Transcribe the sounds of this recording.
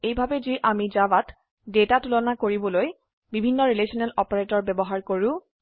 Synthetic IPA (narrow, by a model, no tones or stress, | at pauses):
ejbʱabɛziʔamid͡ʒabat | detatulɔnakoɹibɔloj | bibʱinːɔɹilesʰɔnɛlɔpɔɹetɔɹbɛbɔɦaɹkoɹʊ̃